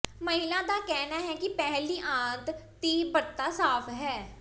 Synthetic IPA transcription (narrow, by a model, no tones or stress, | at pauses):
məɦɪlaːd̪aːkɛːnaːɦɛːkɪpɛɦliːʔãːnt̪ | t̪iːbəɾt̪ːaːsaːpʰɦɛː